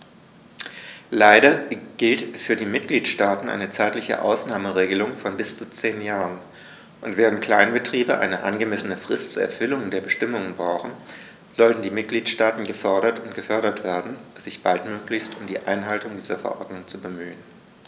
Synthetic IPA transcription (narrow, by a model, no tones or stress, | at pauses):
laɪɾɐɡ̥ɪltfyːɐdiːmɪt̚ɡ̥liːtʃtaːtn̩ʔa̰ɪnət͡saɪtlɪçə̰ʔa̰ʊsnaːməʁeːɡəlʊŋfɔnbɪst͡sut͡seːnjaːʁən | ʔʊntv̥ɛːʁənt̚kʰl̥aɪnbətʁ̥iːbəʔa̰ɪnəʔa̰nɡəmɛsənəfʁ̥ɪstt͡suɐɛ̰ɐfʏlʊŋdeːɐbəʃtɪmʊŋənbʁaʊxn̩ | z̥ɔltn̩diːmɪt̚ɡ̥liːtʃtaːtn̩ɡəfœɐɾɐtʊntɡ̥əfœɐɾɐtv̥eːɐdn̩z̥ɪçb̥altmøːklɪçstʊmdiːʔa̰ɪnɦaltʊŋdiːzɐfɛɐʔɔ̰ɐdnʊŋt͡subəmyːən